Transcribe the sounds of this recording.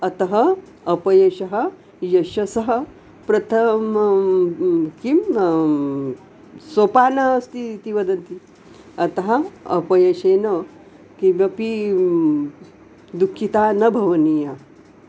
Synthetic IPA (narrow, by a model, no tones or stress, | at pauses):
ɐt̪ɐɦɐ | ɐpɐjɐɕɐɦɐ | jɐʃɐsɐɦɐ | pɾɐt̪ʰɐm | kim | sopanɐɦɐst̪it̪iʋɐd̪ɐnt̪i | ɐt̪ɐɦɐɐ̰pɐjɐɕenɐ | kiɐpi | d̪ukʰːit̪aːnɐbʱɐʋɐnija